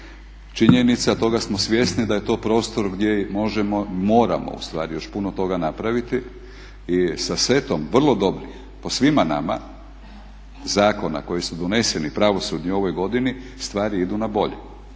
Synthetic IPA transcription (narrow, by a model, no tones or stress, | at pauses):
t͡ʃiɲenit̪sat̪o̞ɡasmo̞sʋje̞snid̪aje̞t̪o̞ːpɾo̞ːst̪o̞ɾɡd̪je̞mo̞ʒemomo̞ːɾa̰mo̰ṵst̪ʋa̰ːɾijo̞ʃpunot̪o̞ɡanapɾaʋit̪i | isase̞t̪o̞mʋr̩lˠo̞d̪o̞bɾix | posʋimana̰ma̰ | zaːko̞na̰ko̞jisud̪one̞se̞nipɾaʋo̞sud̪ɲio̞ʋo̞jɡo̞d̪ini | st̪ʋaːɾiid̪unabo̞ʎḛ